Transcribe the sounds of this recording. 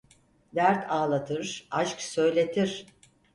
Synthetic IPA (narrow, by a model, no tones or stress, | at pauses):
d̪æɾt̪ʰaːlˠat̪ʰɯɾ̥aʃksø̞jlʲe̞t̪ʰiɾ̥